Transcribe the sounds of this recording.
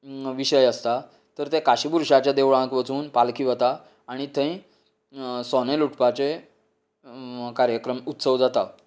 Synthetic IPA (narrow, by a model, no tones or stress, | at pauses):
ʋiɕəjəst̪a | t̪əɾt̪ẽkaɕibuɾɕat͡ɕjad̪eʋɭãkʋət͡suːnpalkʰiʋət̪aː | ɽ̃it̪ə̃ĩ | sɔneluʈʰpat͡se | kaɾjəkɾəmut̪səʋd͡zat̪a